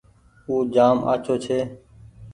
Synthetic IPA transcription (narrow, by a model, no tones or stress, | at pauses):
uːd͡ʒaːmʔa̰ːt͡ʃʰoːt͡ʃʰeː